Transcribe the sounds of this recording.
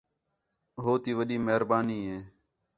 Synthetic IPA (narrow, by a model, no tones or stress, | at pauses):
ɦoːt̪iːʋəɗiːmeɦɾbaːniːɦẽː